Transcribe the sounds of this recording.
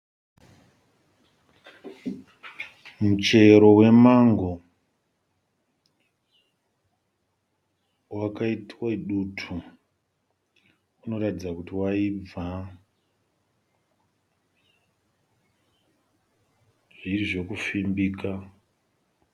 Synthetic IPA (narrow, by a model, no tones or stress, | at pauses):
mut͡ʃe̞ɾo̞we̞maŋɡo̞ | wakaitiwaiɗutʰu | uno̞ɾatid͡zakutiwaib͡va | ʐiriʐe̞kufimbiːka